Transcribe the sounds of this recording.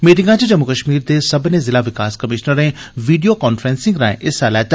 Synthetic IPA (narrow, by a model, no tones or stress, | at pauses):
miːʈɪ̃ŋɡãt͡ʃed͡ʒɐmːukəʃmiːɾd̪esɐbnẽzɪlaʋɪkaːskɐmɪʃnəɾẽʋiːɖijokɔːnfʰɾẽːnsɪ̃ŋɡɾãːḛ̃ʔɪsaːlaːt̪